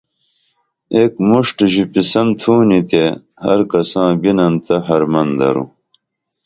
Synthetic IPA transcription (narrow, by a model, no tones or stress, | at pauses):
eːkmuʂʈʑipisɐnt̪ʰuːnit̪e | hɐ̰ɾkɐsãːbinɐnt̪ɐɦɐɾmɐnd̪ɐ̰ɾṵ